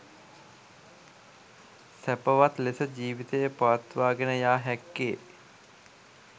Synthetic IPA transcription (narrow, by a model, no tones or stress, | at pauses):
sæpəʋat̪lesəd͡ʑiːʋit̪ejəpaʋat̪ʋaːɡenəjaːɦɛkːeː